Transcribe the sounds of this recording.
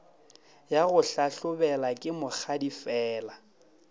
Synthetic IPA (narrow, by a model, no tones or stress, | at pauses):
jaɣʊɬaɬʊbɛlakʼɪmʊk͡xʰadifɛːla